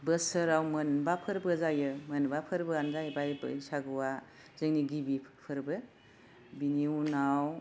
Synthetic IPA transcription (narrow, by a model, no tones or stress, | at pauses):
bəsɯɾawmɯnbapʰɯɾbɯzajɯmɯnbapʰɯɾbɯanzajbajb̰saɡɯwa | zɯŋniɡibipʰɯɾbɯ | biniwnaw